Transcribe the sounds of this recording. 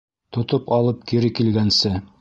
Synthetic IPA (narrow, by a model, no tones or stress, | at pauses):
t̪ŏt̪opɑlˠɤp̚kiɾɘkilɡænsɘ